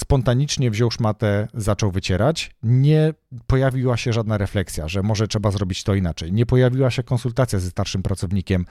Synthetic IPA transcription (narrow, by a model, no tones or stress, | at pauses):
spɔnt̪aɲit͡ʂɲɛvʑɔwʂmat̪ɛzat͡ʂɔwvɘt͡ɕɛɾat͡ɕɲɛpɔjavʲiwaɕɛʐad̪naɾɛflɛksʲja̰ʐɛmɔʐɛtʂɛbazɾɔbʲit͡ɕt̪ɔinat͡ʂɛjɲɛpɔjavʲiwaɕɛkɔnsult̪at̪sʲjazɛst̪aɾʂɘmpɾat̪sɔvɲikʲɛm